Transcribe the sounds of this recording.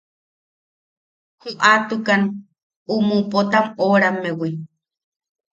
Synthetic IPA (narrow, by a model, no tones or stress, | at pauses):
huʔat̪ukan | umupot̪amoɾamewi